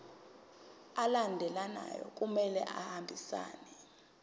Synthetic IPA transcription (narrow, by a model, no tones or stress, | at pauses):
alandʱɛlana̰jɔ̰kʼumɛlɛ̰ʔahambʱisa̰ːnɛ